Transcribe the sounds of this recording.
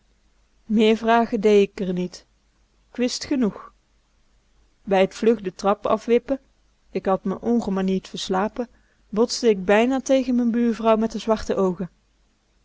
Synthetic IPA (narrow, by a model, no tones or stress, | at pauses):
mɪːɹvraːɣədejɪkəɹnit | kʋɪstχənux | bɛjətflɵχdətrɑpɑ̰fʋɪpə | ɪkɦɑtməʔɔŋχəmanitfəɹslaːpə | bɔtsdəɪɡ̚bɛjnaːtejɣənmɛnbyːɹvrɑwmɛtdəzʋɑɹtəʔowχə